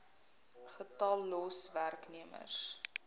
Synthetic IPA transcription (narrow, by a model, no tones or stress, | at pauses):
χətɐlːɔsværkniəmə̰s